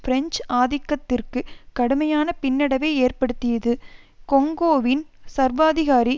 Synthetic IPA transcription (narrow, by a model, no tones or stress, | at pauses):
fɪɾɛɲd͡ʒaːðɪkːɐt̪ːɪrkɯkɐɽɯmɐjaːnɐpɪnːɪɽɐʋeɪeːrpɐɽɯt̪ːɪjɐðɯkɔŋɡoːʋɪnsɐɾʋaːðɪɣaːɾi